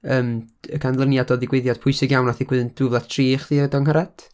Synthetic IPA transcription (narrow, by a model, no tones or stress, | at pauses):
əːməɡʰanlˠənjadɔðɪɡweɨðjad̥pʰʊɨsɪɡjawnaθiɡwɪðnd̥ʊvlˠḁtʰriːχðiːdɔŋɦaɾad̥